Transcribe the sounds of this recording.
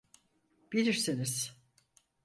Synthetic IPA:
b̥ilʲiɾsiniz̥

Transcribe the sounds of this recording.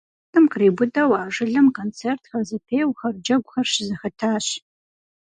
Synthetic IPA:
tɨmkriːbʊdɐwaːʐɨɮɨmkʰont͡sʰertʰxɐzɨpʰeːjwxɐrd͡ʒɐɡʷʼxɐrʃɪzɨxɐtʰaːɕ

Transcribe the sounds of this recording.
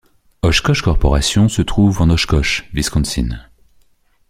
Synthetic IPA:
ɔʃkɔʃkɔʁpɔʁasjɔ̃sət̪χuvɑ̃nɔʃkɔʃviskɔ̃nsḭn

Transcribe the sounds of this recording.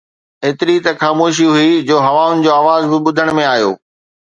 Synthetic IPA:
eːt̪ɪɾit̪ɐxaːmoːʃ̬iɦʊid͡ʑoːɦɐʋaːʊnɪ̆d͡ʑoːaːʋaːzbɪɓʊd̪ʱəɽ̃mẽaːjo̰ː

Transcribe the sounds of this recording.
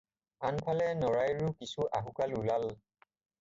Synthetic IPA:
anpʰalɛnɔɹajɹukisuʔaɦukalulal

